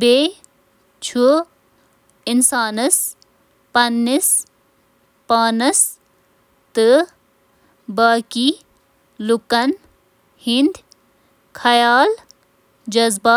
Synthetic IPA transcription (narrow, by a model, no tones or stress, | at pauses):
beː | t͡ʃʰu | ɪnsaːnɨs | pɐnːis | paːnɐs | t̪ɨ | baːkiː | lukɐn | hɪnd̪ | kʰɐjaːl | d͡ʒɐzba